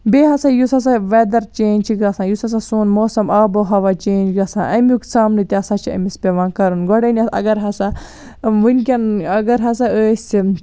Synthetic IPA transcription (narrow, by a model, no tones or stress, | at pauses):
beːɦɐsajusɐs̬aʋed̪ɐɾt͡ʃeːnʲt͡ʃʰiɡɾɐsãːjusɐs̬asuːnmoːsɐmaːboɦɐʋat͡ʃeːnd͡ʒɡɾɐsã̰ːʔɐmʲjuksaːmnɨt̪ʲiɐsat͡ʃʰiɐ̰mispʲeʋãːkɐɾunɡɔɽɐnʲɐsɐ̰ɡɐɾɦɐsa | ʋɨnkʲɐnɐɡɐɾɦɐs̬aəːsʲ